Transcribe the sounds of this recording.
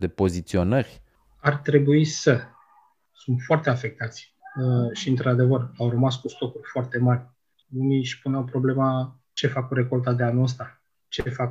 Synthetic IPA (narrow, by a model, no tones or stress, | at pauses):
d̪e̞po̞zit̪sio̞nərʲ | art̪ɾe̞buisə | sunt̪foart̪e̞afe̞k̚t̪at̪sʲ | ʃiɨnt̪ɾad̪e̞vərawrəmaskust̪o̞kurʲfoart̪e̞marʲ | uniʃʲpuneawpɾo̞ble̞ma | t͡ʃe̞fakuɾe̞ko̞lt̪ad̪e̞anuəs̬t̪a | t͡ʃefak